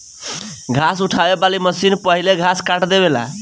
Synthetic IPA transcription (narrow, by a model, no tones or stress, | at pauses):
ɡʱasuʈʰabebaliməsinpəɦileɡʱaskaʈd̪ebela̰